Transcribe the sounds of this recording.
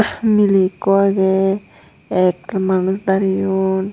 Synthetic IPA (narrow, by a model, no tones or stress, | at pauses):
milikoaɡe | ɛk̚manusd̪aɾijun